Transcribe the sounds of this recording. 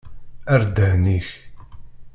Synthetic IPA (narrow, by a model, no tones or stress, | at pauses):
æɾd̪əhniç